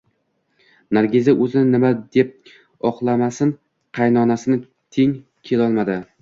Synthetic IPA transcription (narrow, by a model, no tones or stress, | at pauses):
naɾɡʲezaʔɵzɪnɪnɪmad̪e̞p̚ | ɒqlˠamasɪn | qʰɑjnɒnasɪnɪ | t̪ʰe̞ŋ | kʲʰe̞lɒlˠmad̪ɪ